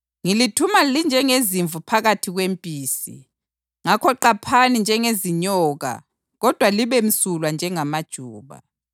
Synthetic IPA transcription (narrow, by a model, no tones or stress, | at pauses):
ŋilitʰumalind͡ʒʱɛŋeziɱvupʰaɣatʰiɣwempʼiːsḭ | ŋakʰɔǃapʰanind͡ʒʱɛŋeziɲɔːɣa̰ | ɣɔd̥ʱwaliβem̩sulwand͡ʒʱɛŋamad̥ʒ̥ʱuːβa̰